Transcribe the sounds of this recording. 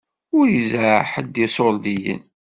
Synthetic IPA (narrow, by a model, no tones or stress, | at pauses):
ʊɾjizaħəd̪isˤoɾd̪ijə̰n